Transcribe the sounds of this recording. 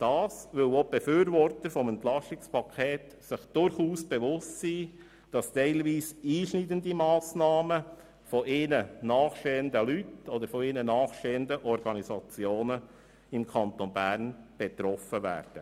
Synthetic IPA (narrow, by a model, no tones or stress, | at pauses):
d̥ɑːsʋʏlob̥efyːɾʋɔrtəɾfɔmɛnt̪lɑsɪkspʰɑkʰeːt | sɪχd̥ʊɾχuːsb̥eʋʊstsiː | d̥ɑstɛɪlʋiːsiːʃnidəndimɑːsnɑːmə | fɔʔɪnənɑːχʃteːəndəlytɔd̪əɾfɔɪnənɑːχʃteːəndəʔɔɾɡɑnisɑt͡sjoːnə | ɪmkʰɑnt̪onbæɾnb̥ɛt̪ɾɔfəvæ̰ːɾd̥ə